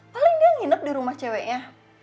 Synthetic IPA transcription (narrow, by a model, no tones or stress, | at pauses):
palɪŋdiaŋinəp̚diɾumaht͡ʃɛwɛʔɲa